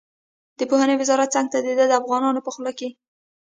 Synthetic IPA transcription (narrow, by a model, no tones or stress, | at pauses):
d̪̥əpohanewɪzɑɾat̪̚t͡saŋɡ̚t̪ad̪ed̪ad̪əafɣɑnɑnopəxlɑke